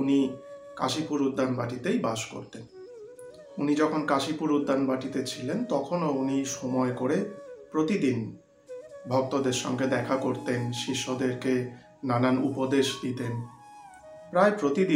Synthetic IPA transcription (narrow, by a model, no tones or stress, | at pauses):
unika̰ʃipuɾud̪ʱːanbaʈit̪ejbaʃko̰ɾt̪en | unid͡ʑɔkʰonkaʃipuɾud̪ʱːanbaʈit̪et͡ɕʰilent̪ɔkʰonouniʃɔmɔekoɾepɾot̪id̪in | bʱɔk̚t̪od̪eɾʃɔŋɡed̪ɛkʰakoɾt̪enʃiʃːod̪eɾke | nananupod̪eʃd̪it̪en | pɾaepɾot̪id̪i